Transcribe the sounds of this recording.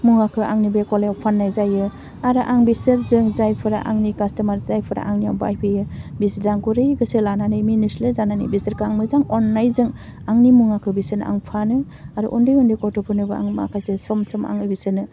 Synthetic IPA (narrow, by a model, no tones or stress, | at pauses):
muŋakʰɯʔaŋnibekɔleawpʰanːajzajɯ | aɾɯʔaŋbisɯɾzɯŋzajpʰɯɾa̰ʔaŋnikastamaɾzajpʰɯɾa̰ʔaŋnija̰wba̰jpʰɯjɯbisdaŋkuɾɯjɡɯsɯlananɯjminislɯzananɯ̰jbisəɾkʰaŋmɯzaŋɔnːajzɯŋ | aŋnimuŋakʰɯbisɯna̰ŋpʰanɯ | aɾuʔɔndɯjɔndɯkɔtʰɔpʰɯnɯbɯa̰ŋma̰kʰajsɯsɔmsɔma̰ŋɯbisɯnɯ